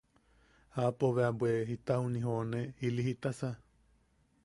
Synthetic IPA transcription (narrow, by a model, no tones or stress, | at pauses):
hapoβeabweɦit̪ahunĩɦonẽiliɦit̪asa